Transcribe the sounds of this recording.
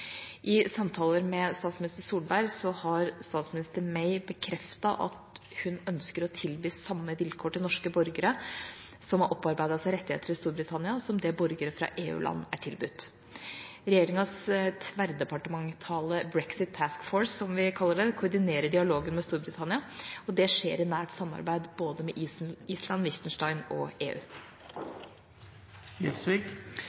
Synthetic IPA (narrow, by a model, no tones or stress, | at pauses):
ʔɪsɑmt̪ʰɑːləɾmɛst̪ɑːt̪smɪnɪst̪əsuːlbæɾsɔhɑɾst̪ɑːt̪smɪnɪst̪əɾmeɪbəkʰɾɛft̪ɑʔɑ̰t̪hʉnœnskəɾɔt̪ʰɪlbyːsɑmːəʋɪlkʰoːʈɪlnɔʂkəbɔɾɡəɾə | sɔmɑʔɔpːɑɾbæɪd̪ɑsæɾɛt̪ːɪhḛːt̪ʰəɾɪst̪uːɾbɾɪt̪ʰɑnɪɑsɔmd̪ɛbɔɾɡəɾəfɾɑ̰ʔeːʉ̰ːlʔɑ̰nːæʈʰɪlbʉt̪ː | ɾɛjeːɾɪŋɑst̪ʰʋæɾd̪ɛpɑʈəmɑŋt̪ʰɑːləbɾɛksɪt̪̚t̪ʰæskfɔːɹsːɔmʋɪkʰɑlːəɖɛkʰʊʊɾɖɪneːɾəɖɪɑloːɡənmɛst̪uːɾbɾɪt̪ʰɑnɪɑɔd̪ɛʂḛːɾɪnæːʈsɑmːɑ̰ɾbæɪd̪boːd̪əmɛʔiːslɑnʋɪçt̪ənʂʈɑɪnɔ̰eːʉ̰ː | ɪsʋik